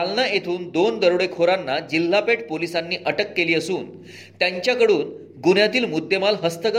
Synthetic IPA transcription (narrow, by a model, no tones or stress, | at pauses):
alnajet̪ʰuːnd̪ond̪əɾɭekʰoɾanːad͡ʑilːapeʈ̚polisanːiːʔəʈəkːeliːəsuːn | t̪jaɲt͡ɕjakəɽuːn | ɡunjat̪iːlmud̪ːemalɦəst̪əkə